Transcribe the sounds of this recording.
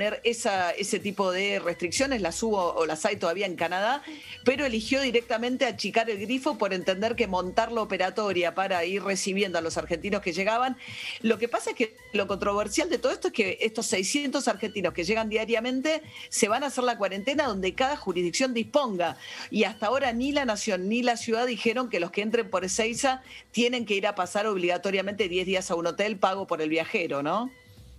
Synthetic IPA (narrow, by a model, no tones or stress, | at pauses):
neɾesaese̞t̪ipo̞ðerest̪ɾiksjo̞ne̞slasuβoːlasajt̪oðaβiaeŋkanað̞apeɾo̞elixjo̞ðiɾek̚t̪amẽ̞nt̪eat͡ʃikaɾelɣɾifo̞po̞ɾe̞nt̪e̞nd̪eɾkemõ̞nt̪aɾlaopeɾat̪o̞ɾjapaɾairresiβjend̪oalo̞saɾxe̞nt̪ino̞ske̞ʒe̞ɣaβanlo̞kepasaeke | lo̞ko̞nt̪ɾo̞βeɾsjald̪et̪oð̞et̪oeskeʔest̪o̞sɛjsjent̪o̞saɾxe̞nt̪ino̞ske̞ʒeɣand̪iaɾjamẽ̞nt̪e̞se̞βanaːseɾlakwaɾe̞nt̪enaðo̞nd̪e̞kaðaxuɾiðiksjo̞nd̪ispo̞ŋɡaiast̪ao̞ɾanilanasjo̞nːilasjuðaðixeɾo̞ŋke̞lo̞skeent̪ɾe̞mpo̞ɾesejsat̪jene̞ŋke̞iɾapasaɾo̞β̞liɣat̪o̞ɾjament̪e̞ðjezðiasauno̞t̪elpaɣo̞po̞ɾe̞lβjaxeɾono̞